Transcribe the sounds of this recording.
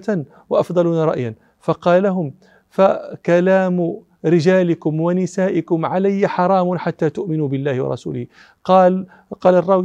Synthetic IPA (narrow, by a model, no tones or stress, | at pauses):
t̪an | wɑʔɑfd̪ˤɑluːnaɾˤɑ̰ʔjan | fɑqɑːlalaɦʊm | fakalaːm | ɾɪd͡ʒaːlɪkʊmwanɪsaːʔɪkʊmʕalajːaħɑɾˤɑːmʊnħat̪ːaːt̪ʊʔmɪnuːbɪlːaːhɪwɑ̰ɾˤɑ̰sṵːlɪh | qː | qɑːlarˤːɑw